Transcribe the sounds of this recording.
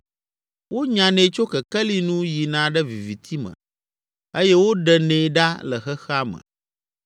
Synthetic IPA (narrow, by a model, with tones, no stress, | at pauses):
wo˦ɲã˨nɛ̃˨t͡ʃo˦kɛ˨kɛ˦li˦nũ˦ji˨nã˦ɖɛ˦vi˨vi˨t̪ʰi˦mə̰̃˨ | e˦jɛ˦wo˦ɖɛ˨nẽ˨ɖa˦lə˨xɛ˦xɛ˦a˦mə̰̃˨